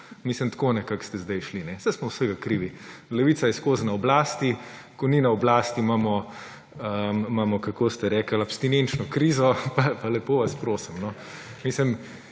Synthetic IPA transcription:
mislənt̪konɛkakst̪ɛzd̪ajʃlinɛsɛjsmɔwsəɡakɾiːʋilɛʋiːsajɛskoznɐɔblaːst̪i | kɔninɐɔblaːst̪imamɔ | əmaːmɔkɐkost̪ɛɾɛːkəlapst̪inent͡ʃnɔkɾizɔpapalɛpoːʋaspɾoːsimnɔ | misləm

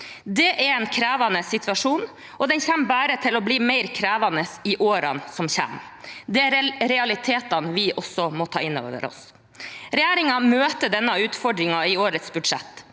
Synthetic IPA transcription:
d̪ɛʔæɾɛːnkʰɾæːʋɑnəsɪt̪ʰʋɑʂuːn | ɔd̪ɛnçæmːbæːɾət̪ʰɪlɔbliːmæɪɾkʰɾæːʋɑnəsɪʔoːɾɑnsɔmçæ̰md̪ɛæɾɾɛɑlɪt̪ʰeːt̪ɑnʋɪʔɔsːɔmɔt̪ʰɑ̰ːɪnːo̰ːʋə̰ɾɔ̰s | ɾɛjæːɾɪŋɑmøːt̪əd̪ɛnːɑʉːt̪fɔɖɾɪŋɑɪoːɾət̪sbʉd̪ʂɛ̰t̪ː

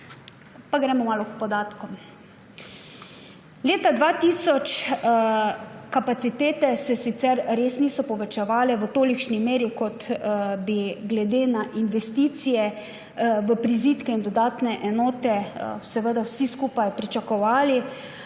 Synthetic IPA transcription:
paɡɾɛːmɔmaːlɔkpɔd̪aːt̪kɔ | leːt̪ad̪ʋaːt̪iːsɔt͡ʃ | kapat̪sit̪eːt̪ɛsɛsit̪sɛɾɾeːsniːsɔpɔʋɛt͡ʃɛʋaːlɛʋət̪oːlikʃnimeːɾikɔt̪biɡlɛd̪eːnaʔinʋɛst̪iːt̪sijɛ | ʋəpɾiziːt̪kɛind̪ɔd̪aːt̪nɛʔɛnɔːt̪ɛsɛʋəd̪awsiskuːpajpɾit͡ʃakɔʋaːli

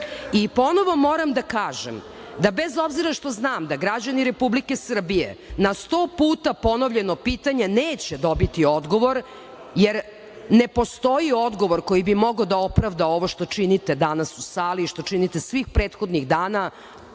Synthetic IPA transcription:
ipo̞noʋo̞mo̞ːɾamd̪akaːʒem | d̪abezo̞bziɾaʃt̪o̞znaːmd̪aɡɾad͡ʑaniɾe̞publikesr̩bijḛnast̪oːpuːt̪apo̞noʋʎe̞nopiːt̪aɲaneːt͡ɕed̪o̞bit̪io̞d̪ɡo̞ʋo̞ɾ | jeɾ | nepo̞st̪o̞jio̞d̪ɡo̞ʋoɾko̞jibimo̞ɡod̪ao̞pɾaʋd̪ao̞ʋoʃt̪o̞t͡ʃinit̪ed̪anasusaːliːʃt̪o̞t͡ʃinit̪esʋixpɾeːt̪xo̞d̪niɣd̪aːna

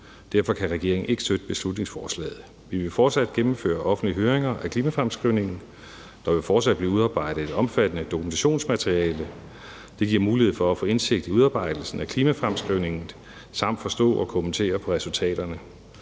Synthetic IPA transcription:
d̥æɐfɒ̽kʰæʁɛɡ̥e̝ɐ̰eŋn̩e̝ɡ̥əsd̥ød̥əb̥e̝slud̥ne̝ŋsfɒːslɛ̰ːð̩ˠ | ʋiʋe̝fɒːd̥sæd̥̚ɡ̥emm̩fø̰ːɐʔɒ̽fn̩dliɦøːɐʁeŋɐʔækʰliːmæfʁamsɡ̥ʁiʊne̝ŋn̩ | d̥ɑ̈ʋe̝fɒːd̥sæd̥b̥liːuð̞ˠɑ̈ːb̥ɑ̈ɪ̰d̥ð̩ˠe̝d̥ɒ̽mfæd̥ənəd̥o̝kʰument͡sʰæɕo̝̰ːnsmæt͡sʰʁiɛːlə | d̥e̝ɡ̥iɐ̰muːlihe̝ð̩ˠfɒ̽æfɔ̰̽ːe̝nse̝ɡ̥̚d̥iuðˠɑ̈ːb̥ɑ̈ɪ̰d̥l̩sn̩ækʰliːmæfʁamsɡ̥ʁiʊ̰ne̝ŋn̩ | sɑ̈m̰d̥fɒ̽sd̥ɔ̰̽ːɒkʰo̽ment͡sʰe̝̰ːɐpʰɒ̽ʁɛsult͡sʰɛ̰ːd̥ɐnə

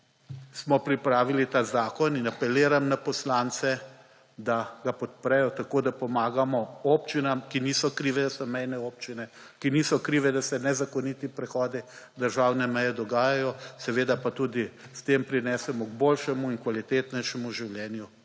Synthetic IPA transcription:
smɔpɾipɾaːʋilit̪aːzaːkɔninapɛleːɾamnapɔslaːnt̪sɛ | d̪aɡapɔt̪̚pɾɛjɔt̪akoːd̪apɔmaːɡamɔopt͡ʃinamkiniːsɔkɾiːʋɛd̪asɔmɛjnɛoːp̚t͡ʃinɛ | kiniːsɔkɾiːʋɛd̪asɛnɛzakɔnit̪ipɾɛxɔːd̪id̪əɾʒaːwnɛmɛjɛd̪ɔɡaːjajɔsɛʋeːd̪apat̪ud̪ist̪empɾinɛːsɛmɔɡ̚boːlʃɛmuinkʋalit̪eːt̪nɛjʃɛmuʒiwljɛːnju

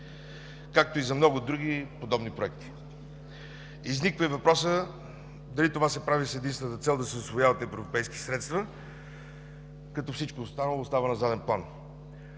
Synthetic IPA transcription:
kak̚t̪oizɐmnɔɡʊd̪ɾuɡipod̪ɔbnipɾoɛk̚t̪i̥ | iznikvəivɐpɾɔsə | d̪ɐlit̪ovasɛpɾavisɛd̪inst̪vɛnət̪ət̪sɛlˠd̪ɐsɛosvojavɐt̪ɛvvɾopɛjski̥sɾɛt̪st̪və | kɐt̪ɔfsit͡ʃkoːst̪anəlˠoːst̪avənɐzad̪ɛnplˠan

